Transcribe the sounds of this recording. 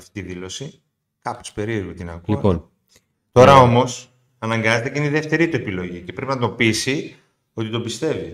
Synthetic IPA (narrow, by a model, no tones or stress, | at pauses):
ɐft̪it̪iðilo̞si | kɐpo̥spe̞ɾiɾumet̪inɐɣuliɐpon | t̪o̞ɾɐo̞mo̞s | ɐnɐŋɡɐzet̪e̞ceineiðeft̪e̞ɾit̪ue̞pilo̞ʝicepɾepinɐt̪o̞pisi | o̞t̪it̪o̞bist̪e̞vi